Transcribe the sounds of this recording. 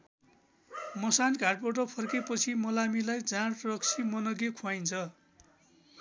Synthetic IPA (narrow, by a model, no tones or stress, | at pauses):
mʌsankaʈ̚pʌʈ̬ʌpʰʌrkepʌt͡sʰimʌlamilajd͡zãɽrʌksʰimʌnʌɡekʰuajnt͡sʰʌ